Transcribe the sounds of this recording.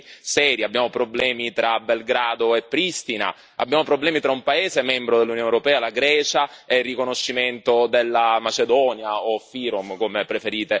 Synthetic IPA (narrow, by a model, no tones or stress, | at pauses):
sɛːɾjiabːjaːmopɾoblɛːmit̪ɾabelɡɾaːd̪oepːɾist̪ina̰ | a̰bːjaːmopɾoblɛːmit̪ɾaumpaeːzemɛmbɾod̪elːunijoːnewɾopɛːalaɡɾɛːt͡ʃaerːikonoʃːiment̪od̪elːamat͡ʃed̪ɔːnjaofiɾomkomepːɾefeɾiːt̪e